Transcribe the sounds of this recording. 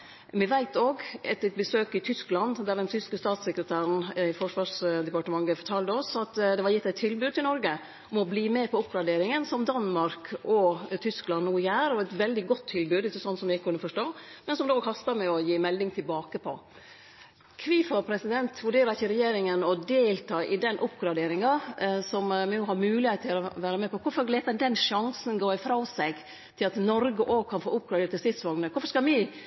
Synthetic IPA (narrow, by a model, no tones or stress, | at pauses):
mɪʋæɪt̪oːɡɛt̪ːɛt̪̚bəsøːkɪt̪ʰʏsklɑnd̪d̪æɖ̪ɛnt̪ʰʏskəst̪ɑːt̪sɛkɾət̪ʰæːɾən̩æfɔʂʋɑːʂd̪ɛpɑʈəmɑŋːəfɔʈʰɑːlt̪əɔsɑt̪d̪ɛʋɑɾjɪt̪ːæɪt̪ʰːɪlbʉːd̪̚t̪ʰɪlnɔɾɡə | ɔmɔbliːmɛːpʰɔʊpɡɾɑɖeːɾɪŋənsɔmd̪ɑnmɑɾkɔt̪ʰʏsklɑnnuːjæːɾɔɛt̪ʋɛld̪ɪɡɔt̪ʰːɪlbʉːd̪ɪçːəsɔnt̪sɔmʋɪɪkːəkʉnːəfɔʂʈoːmɛnsɔmd̪oːkʰɑst̪ɑmɛɔjiːmɛld̪ɪŋt̪ʰɪlbɑːkəpʰɔ̰ | kʰʋiːfɔpʰɾɛsɪd̪ɛnt̪ʋʉɖeːɾəɪçəɾɛjeːɾɪŋənɔd̪eːlt̪ʰɑːʔɪd̪ɛnːʔʊpɡɾɑd̪eːɾɪŋɑsɔmʋɪnuːhɑɾmʉːlɪheːt̪t̪ʰɪlɔʋæːɾəmɛpɔkʰʊfɔɾleːt̪əd̪ɛnʂɑŋsənɡoːɪfɾɑsɛɡ | t̪ʰɪlɑt̪nɔɾɡəʔoːɡkʰɑnfo̰ːʔʊp̚ɡɾɑd̪eːɾʈ̪t̪ɪlst̪ɪt̪sʋɑŋnəkʰʊɾfɔʂkɑmɪ